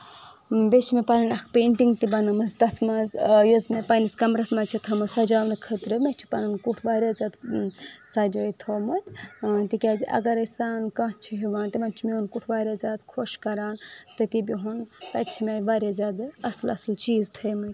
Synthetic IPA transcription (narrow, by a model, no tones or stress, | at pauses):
bet͡ʃʰimepɐnɨnɐkʰpeːɳʈiŋɡt̪ibɐnɨmɐsd̪ɐt̪ʰmɐzjozmepɐniskɐmɾɐsmɐt͡ʃʰit̪ʰɐmɐzsɐd͡ʒaːmnɨkʰət̪ɾɨmet͡ʃʰi̥pɐnɨnkuʈʰʋaːɾjazʲaːd̪ | sad͡ʒoːit̪ʰoːmɐt̪ʲt̪ikʲaːziʔɐ̰ɡɐɾɐsaːnkɐ̃ɦt͡ʃʰiɦiʋaːnt̪imɐnt͡ʃʰimeunkuʈʰʋaːɾjaːzʲaːd̪kʰoʃkɐɾaːnt̪ɨt̪ibiɦunt̪ɐt͡ʃʰimeʋaːɾjazʲaːd̪ɐslɐslt͡ʃiːzt̪ʰəjmɨt̪ʲ